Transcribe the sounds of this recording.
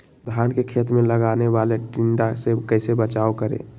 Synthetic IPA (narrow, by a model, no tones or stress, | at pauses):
d̪ʱankekʰet̪mẽləɡaneʋaleʈiɳɖasekəɪsebət͡ʃaokəɾḛ̃